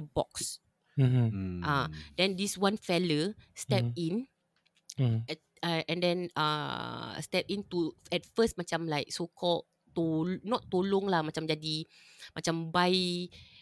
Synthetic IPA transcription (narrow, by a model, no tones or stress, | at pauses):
əbɔ̰ks | ʔadɛ̃ndiswãnfɛləstɛp̚ĩn | ɛ | aɛ̃ndɛ̃na̰stɛp̚ĩnt̪uɛt̚fəst̚mat͡ʃãmlaɪk̚sokʰɔl | t̪onɔtːolõŋlamat͡ʃãmd͡ʒadi | mat͡ʃãmbaj